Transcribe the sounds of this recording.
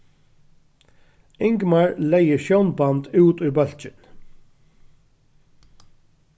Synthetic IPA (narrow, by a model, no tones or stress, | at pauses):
ɪŋkmaɹlɛjɪʃjɔwnbant̪ʉːt̪ʊjbœl̥t͡ʃɪn